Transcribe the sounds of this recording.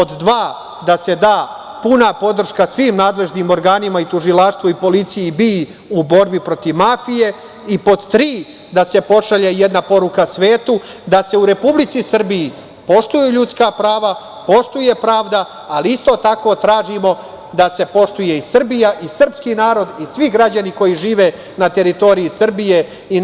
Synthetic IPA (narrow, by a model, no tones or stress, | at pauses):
po̞d̪d̪ʋaː | d̪ase̞d̪aː | punapo̞d̪r̩ʃkasʋiːmnaːd̪le̞ʒniːmo̞ɾɡaːnimait̪uʒilˠaːʂt̪ʋoipo̞lit̪sijibi | ubo̞ɾbipɾo̞t̪iʋmafije̞ | ipo̞d̪t̪ɾiː | d̪ase̞po̞ʃaʎejed̪napo̞ɾukasʋe̞ːt̪u | d̪ase̞uɾe̞publit̪sisr̩biji | po̞ʃt̪ujuʎuːt̪skapɾaːʋa | po̞ʃt̪uje̞pɾaːʋd̪aː | liist̪o̞t̪ako̞ːt̪ɾaːʒimo̞ | d̪ase̞po̞ʂt̪uje̞isr̩bijaʔisr̩pskinaːɾo̞d̪isʋiɡɾad͡ʑaniko̞jiʒiːʋe̞ | nat̪e̞ɾit̪o̞ɾiisr̩bije̞ | i